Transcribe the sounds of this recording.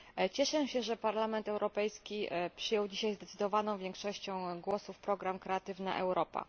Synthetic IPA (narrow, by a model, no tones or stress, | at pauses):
t͡ɕɛʂɛɕɛʐɛpaɾlamɛnt̪ɛwɾɔpɛjskʲipʂɘjɔwd͡ʑiɕajzd̪ɛt̪sɘd̪ɔvanɔ̃w̃vʲjɛ̃ŋkʂɔɕt͡ɕɔ̃w̃ɡwɔsufpɾɔɡɾamkɾɛat̪ɘvna̰ʔɛwɾɔpa̰